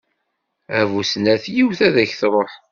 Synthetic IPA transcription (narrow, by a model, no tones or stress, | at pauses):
ævusnæθjiwθæðæçθɾˤoħ